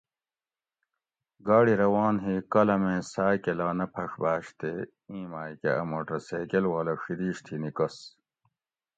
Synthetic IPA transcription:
ɡaːɽiɾɐwaːnɦikɐlɐmẽːsaːkelaːnɐpʰɐʂbaːɕt̪e | ĩːmaːjkḛɐ̰moʈɾɐseːkelwaːlɐʂiɾiːɕt̪ʰinikɐs

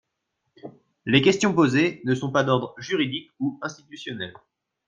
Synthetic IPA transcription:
lekʲɛst̪jɔ̃pozenəsɔ̃pad̪ɔʁd̪ʁʒyʁid̪ikuɛ̃st̪it̪ysjɔnɛl

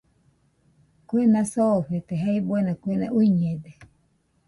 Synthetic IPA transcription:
kwenãsoɸet̪eɦaibuenakʷenãʔuɲed̪e

